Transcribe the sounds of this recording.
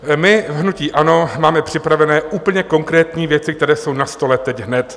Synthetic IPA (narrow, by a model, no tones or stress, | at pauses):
mɪvɦnuciːʔano̞maːmɛpr̝̥ɪpɾavɛnɛːʔuːpl̩ɲɛko̞ŋkɾɛːt̪ɲiːvjɛt͡sɪk̚t̪ɛɾɛːso̞wnast̪o̞lɛt̪ɛcɦnɛt̪